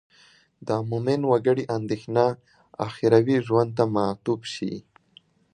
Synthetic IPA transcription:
d̪amumɪnwaɡəɽiʔand̪exna | a̰xiɾawiʒwand̪̚t̪amat̪ubʃḭ

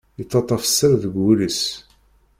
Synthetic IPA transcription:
it͡sːɑt̪ˤːɑfə̥sːəɾðəɡːuləs

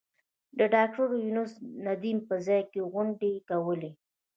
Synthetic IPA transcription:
d̪əɖɑk̚ʈaɾjunəsnad̪impəzɑjkeɣʊɳɖekawəle

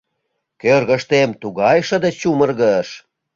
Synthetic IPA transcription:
kørɣə̆ʃt̪emt̪uɣɑjʃə̆d̪ĕt͡ɕumərɣəʃ

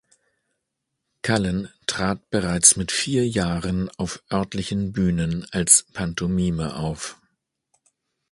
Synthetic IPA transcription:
kʰaləntʁ̥aːt̚b̥əʁaɪt͡smɪtfiːɐjaːʁənaʊfʔœɐtlɪçn̩byːnənalspʰantʰomiːməʔaʊf

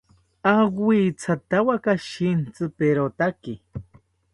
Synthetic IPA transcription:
aɡʷit͡sʰat̪awakaʃint͡sɨpeɾot̪aki

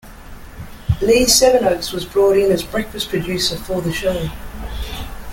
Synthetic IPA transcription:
li̥ːsɛvənəʊkswɒzbɹɔˑɾɪ̃nəzbɹɛkfəspʰɹ̥əd͡ʒʉˑsəfəːðəʃoʊ

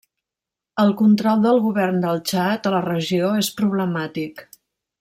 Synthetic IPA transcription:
əlˠkunt̪ɾɔlˠd̪əlˠɣuβɛrnd̪əlˠt͡ʃat̪ələrəʒioespɾuβ̞ləmat̪ik

